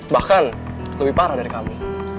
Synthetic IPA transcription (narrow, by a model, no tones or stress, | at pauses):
bahkan | ləbipaɾadaɾikami